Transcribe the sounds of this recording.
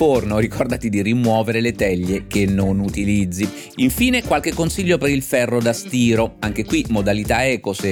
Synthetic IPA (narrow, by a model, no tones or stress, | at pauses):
ornoɾikɔrd̪at̪id̪irimwɔːveɾelet̪ɛʎːekenːonut̪ilid̪zːi | iɱfiːnekwalkekːonsiʎːopeɾilfɛrːod̪ast̪iːɾoaŋk̟ekwimod̪alit̪aɛːkose